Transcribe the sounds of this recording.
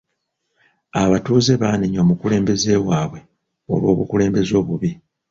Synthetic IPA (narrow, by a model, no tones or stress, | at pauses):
aβatuːze̞βaːniɲo̞mukule̞ːmbe̞ze̞ːwaːβwe̞ | o̞̰βwo̞ːβukule̞ːmbe̞zo̞ːβuβi